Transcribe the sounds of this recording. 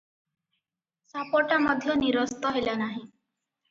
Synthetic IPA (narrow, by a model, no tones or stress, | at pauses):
sapɔʈaməd̪ʱləniɾəst̪əɦejlanaɦi